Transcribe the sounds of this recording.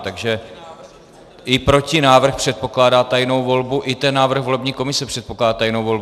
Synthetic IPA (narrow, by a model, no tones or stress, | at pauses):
t̪aɡʒɛ | ʔɪpɾo̞cɪnaːvr̩xpr̥ɛt̪̚po̞klaːdaːt̪ajno̞wvo̞lbuʔɪt̪ɛnːaːvr̩ɣvo̞lɛbɲiːko̞mɪsɛpr̥ɛt̪̚po̞klaːdaːt̪ajnowvo̞lb